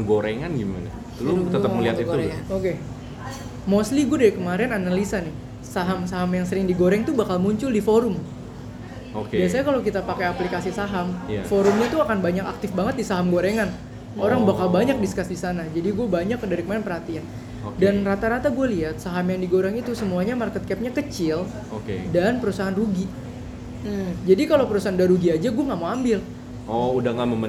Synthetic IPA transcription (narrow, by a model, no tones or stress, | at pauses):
ɡoɾeŋanɡima̰na̰ | t̪lʊət̪əməliat̪itɡɾaoke | mosliɡuadaɾikəmaɾɛnanalisanɪh | saɦamsaɦamjaŋsəɾɪŋdiɡoɾɛŋt̪ubakalmuɲt͡ʃʊldifoɾʊm | okbiasaɲakalokit̪apakajaplikasisaɦamafoɾʊmɲat̪uakanbaɲakak̚t̪ɪfbaŋət̪̚disaɦamɡoɾeŋan | oɾaŋbakalbaɲak̚diskasdisanad͡ʒadiɡuabaɲakːədaɾikəmananpərɦhat̪ian | danrat̪aɾat̪aɡualiat̪̚saɦamjaŋdiɡoɾaŋit̪usəmuaɲamarkət̪̚kɛp̚ɲakət͡ʃɪl | okḛdanpəɾusaɦanruɡi | d͡ʒadikalowpəɾusaɦandaɾuɡiad͡ʒaɡuaŋamoambɪl | ɔudaŋaməmə